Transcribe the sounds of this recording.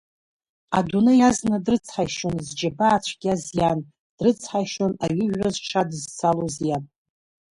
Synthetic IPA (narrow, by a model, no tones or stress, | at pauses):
adunɨjaznadrɨt͡sʰħaʃonzd͡ʒabaːt͡ʃʷʰɡʲazjan | d̥rɨt͡sʰħaʃonaɥɪʒᶣazʈ͡ʂʰadɨzt͡sʰalozja